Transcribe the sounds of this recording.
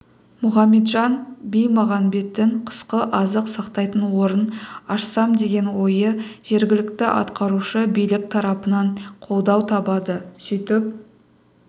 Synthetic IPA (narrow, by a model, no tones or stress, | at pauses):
mʊχɑmːe̞t̪ʒɑnbijmɑʁɑnbe̞t̪ːɪɴqʰə̥sqəʔɑzəqsɑqt̪ɑjt̪ənwo̞ɾənɑʃsɑmd̪e̞ɡʲe̞nwo̞jəʒ̥e̞ɾɡʲɪlɪkt̪ɪʔɑ̰t̪qɑɾuʃəbijlɪk̚t̪ʰɑɾɑpənɑɴqʰo̞lˠd̪ɑwt̪ʰɑbɑd̪əsʏjt̪ɪp̚